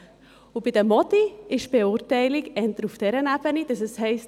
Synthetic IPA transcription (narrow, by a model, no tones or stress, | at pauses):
ʊb̥id̥əmɔdiɪʃb̥eʊːɾtɛɪliɡɛntəɾufd̥ɛɾənɛb̥ənid̥ɑsɛshɛɪst